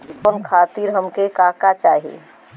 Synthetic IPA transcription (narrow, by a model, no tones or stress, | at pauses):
konkʰat̪iɾɦəmkekakat͡ʃaɦḭ